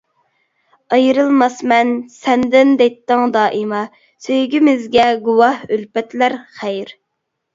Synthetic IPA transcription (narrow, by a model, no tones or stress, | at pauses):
ɑjɾɨlˠmɑsmɛnsɛnd̪ɪnd̪ɛt̪ːəŋd̪ɑːʔɨmɑ | søjɡʲimɪzɡʲɛɡuwɑhølpɛt̪ʰlæɾχæjɾ